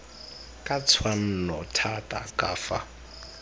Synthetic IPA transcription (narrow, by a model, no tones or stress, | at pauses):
kʼat͡sʰwan̩nɔtʰatʼa̰kʼaːfa